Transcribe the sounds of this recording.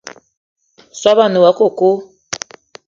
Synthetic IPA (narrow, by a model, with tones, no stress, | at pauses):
swa˦βa˦˨no˨wa˨˦ko˦˨ko˦